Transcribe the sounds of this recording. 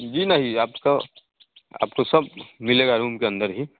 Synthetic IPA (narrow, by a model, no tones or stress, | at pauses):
d͡ʒiːnɐɦĩaːpka | a̰ːp̚kosɐb̚mɪleːɡaɾuːmkeɐ̃nd̪əɾɦi